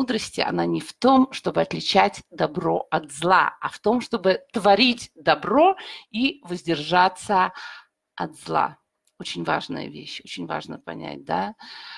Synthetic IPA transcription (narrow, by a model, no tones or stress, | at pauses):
ud̪ɾəsʲtʲɪɐ̰nanʲɪft̪o̞mʂt̪o̞bɨɐt̪lʲɪt͡ɕætʲd̪ɐbɾo̞ɐt̪zlˠa̰ɐft̪o̞mʂt̪o̞bɨt̪vɐɾʲitʲd̪ɐbɾo̞ivəzʲdʲɪrʐat̪sə | ɐt̪zlˠa̰ | ot͡ɕɪnʲva̰ʐnə̰jə̰vʲḛɕo̞t͡ɕɪnʲva̰ʐnəpɐ̰nʲæ̰t̚ʲd̪a